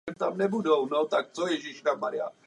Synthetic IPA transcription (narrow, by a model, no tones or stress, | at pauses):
ɛmt̪amnɛbudownot̪ak̚t͡sojɛʒɪʃnamaɾɪa̰